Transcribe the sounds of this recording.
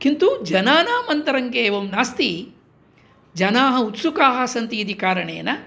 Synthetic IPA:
kint̪ud͡ʒɐnaːnaːmɐnt̪ɐɾɐŋkeːʋɐmnaːst̪i | d͡ʒɐnaːɦɐut̪sukaːɦɐ̆sɐnt̪iːd̪ikaːɾɐɳḛːnɐ

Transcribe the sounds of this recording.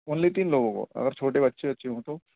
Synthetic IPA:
ʊnlit̪iːnloːɡõko̰ɐ̰ɡəɾt͡ʃʰoːʈ̬ebɐtːʃʰeɐtːʃʰeɦũt̪oː

